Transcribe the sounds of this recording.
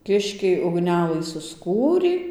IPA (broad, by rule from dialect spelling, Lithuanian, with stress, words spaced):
ˈkʲɪʃʲkʲɛɪ ʊɡˈnʲæːlˠɨ sʊsˈkuːrʲiː